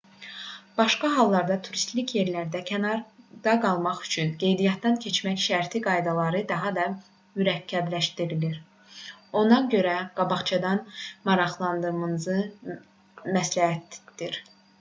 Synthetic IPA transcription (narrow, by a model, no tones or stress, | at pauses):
b̥ɑʃkɑɦɑlˠːɑɾd̪ɑt̪ʰuɾist̪licje̞ɾlæɾd̪æcʰænɑɾd̪ɑɡɑlˠmɑχy̥t͡ʃʰynɡe̞jd̪ijɑt̪̚d̪ɑncʰe̞t͡ʃmæçʃæɾt̪ʰiɡɑjd̪ɑlˠɑɾɯd̪ɑɦɑd̪ɑ | myɾæcʰːæb̪læʃt̪iɾiliɾ | o̞nɑɟø̞ɾæɡ̥ɑbɑχt͡ʃʰɑd̪ɑnmɑɾɑχlˠɑnd̪ɯɾmɯnɯzɯ | mæslæhæt̪d̪̥iɾ